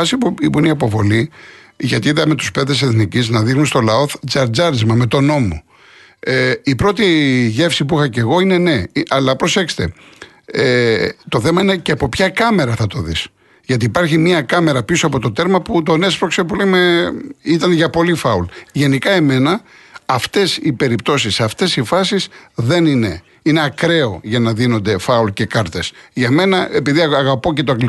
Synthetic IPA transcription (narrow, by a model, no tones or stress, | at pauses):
ɐsipipuiniɐpo̞vo̞li | ʝɐt̪iiðɐme̞t̪u̥spe̞ðe̞s̬e̞θniciznɐðixnunst̪o̞lɐo̞θzɐɾd͡zɐɾizmɐme̞t̪o̞no̞mo̞̰ | ipɾo̞t̪iʝe̞fsipuixɐce̞ɣo̞ine̞ne̞ʔɐlɐpɾo̞se̞kse̥t̪e | et̪o̞θe̞mɐineceɐpo̞pçɐkɐme̞ɾɐθɐt̪o̞ðḭs | ʝɐt̪̬iːpɐɾçimiɐkɐme̞ɾɐpisoɐpo̞t̪o̞t̪e̞ɾmɐput̪o̞nespɾoksepulejmeit̪ɐnʝɐpo̞lifɐulʝe̞nikɐe̞me̞nɐː | ft̪e̞sipe̞ɾipt̪o̞sisɐft̪e̞sifɐsisðe̞nine̞ | ine̞ɐkɾe̞o̞ʝɐnɐðino̞nd̪e̞fɐulce̞kɐɾt̪e̞sʝɐme̞nɐe̞piðiɐɐɣɐpo̞ce̞t̪oɐkli